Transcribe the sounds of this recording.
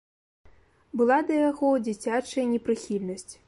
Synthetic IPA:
bɨlˠad̪ɐjaɣɔd͡zʲit͡sʲat͡ʂɐjɐnʲɛpɾɨxʲilʲnɐsʲt͡sʲ

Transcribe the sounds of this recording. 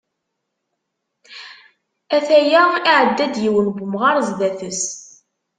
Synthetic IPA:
æθæjaiʕəd̪ːæd̪jiwənɡʷʊmʁɑɾˤzðæθəs

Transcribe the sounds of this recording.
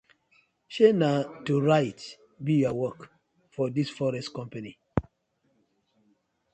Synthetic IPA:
ʃenatːuɹaɪt | bijɔwɔk | fɔdisfɔɹɛstkɔ̃mpani

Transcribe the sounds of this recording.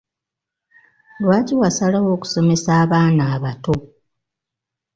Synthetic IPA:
lwaːciwasalawo̞ːku̥so̞me̞saːβaːnaːβato̞

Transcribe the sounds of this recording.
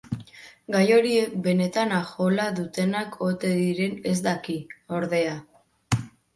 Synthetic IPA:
ɡajo̞ɾie̞k̚be̞ne̞t̪anaxo̞laðut̪e̞nakʰo̞t̪e̞ðiɾe̞ne̞zd̪akio̞ɾðe̞a

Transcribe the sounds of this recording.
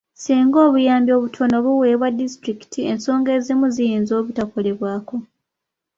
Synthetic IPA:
siːŋɡo̞ːβujaːmbjo̞ːβutʰono̞βuwe̞ːβwadːistɾiki̥tʰie̞nso̞ːŋɡe̞ːzimuzijiːnzo̞ːβutako̞le̞βwaːko̞

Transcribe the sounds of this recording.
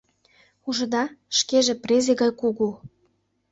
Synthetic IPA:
uʒə̆d̪ɑʃkeʒĕprezeɣɑjkuɣu

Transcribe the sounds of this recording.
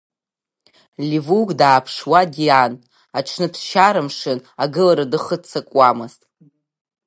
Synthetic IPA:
lʲivuɡdaːpʰʂwadian | aʈ͡ʂʰnɨpʰsʃaɾɨmʂɨnaɡɨlaɾadɨχət͡sʰakʷʼwamɨztʼ

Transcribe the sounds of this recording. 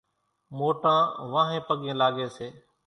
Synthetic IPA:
moːʈãːʋãːɦẽːpəɠẽːlaːɡeːseː

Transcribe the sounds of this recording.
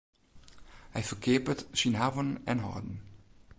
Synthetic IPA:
hɛjfərkʰɪəpətsinɦavənɛnɦɔ̰ːdn̩

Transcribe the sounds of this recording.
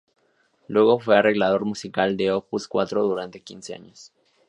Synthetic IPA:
lwe̞ɣo̞fwe̞are̞ɣlað̞o̞ɾmusikald̪e̞opuskwa̰t̪ɾo̞ðuɾant̪e̞kinsea̰ɲos

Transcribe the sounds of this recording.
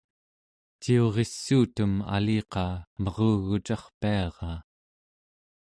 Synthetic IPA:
t͡ʃio̞ʁe̞sːuːt̪uma̰liːqɑːmʌʁoːɣut͡ʃɑχpiɑʁɑː

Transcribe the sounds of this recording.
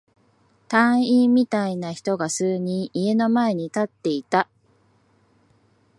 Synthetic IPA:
t̪ãɰ̃imʲit̪ainaçi̥t̪o̞ɡasɨːɲ̟ĩɰ̃ʔie̞no̞mae̞ɲ̟it̪at̪ːe̞it̪a

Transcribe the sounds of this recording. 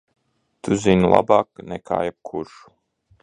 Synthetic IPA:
t̪ʰuzinulˠa̰baːknɛkʰa̰ːjɛb̚kʰuɾʃu̥

